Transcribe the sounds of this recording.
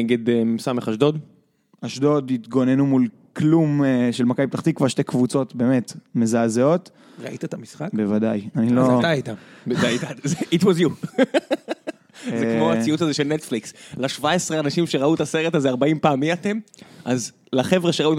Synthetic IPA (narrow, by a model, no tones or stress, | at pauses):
eɡe̞d̪emsameχaʃd̪o̞d | aʃdo̞d̪it̪ɡo̞nenumul | klumʃelmakajbptaχt̪ikvaʁʃtekvut͡so̞t̪beːme̞t̪mezazeo̞t̪ | ʁa̰ʔit̪atʰamisχakbe̞vadajaniloait̪abedajt̪azeitwozju | zzekmoat͡siutazeʃelnet̪flikslaʃvaesʁeanaʃimʃeʁaut̪aseʁetazeaʁbaimpaːmiatemʔaz | laχe̞vʁeʃeaut